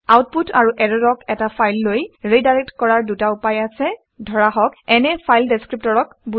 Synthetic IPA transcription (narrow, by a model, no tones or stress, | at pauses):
awt̚putʰaɹuʔɛɹɔdɔkɛtapʰajlːojɹejdaɹɛk̚tkɔɹaɹdutaupajasɛ | dʱɔɹaɦɔkɛnɛpʰajldeskɹip̚tɔɹɔkbu